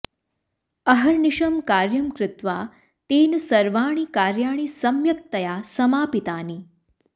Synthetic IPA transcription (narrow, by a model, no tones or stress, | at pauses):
ɐɦɐɾniʂɐmkaːɾjɐmkɾɪt̪ʋaː | t̪eːnɐsɐɾʋaːɳ̃ikaːɾjaːɳ̃isɐmjɐk̚t̪ɐjaːsɐmaːpit̪aːni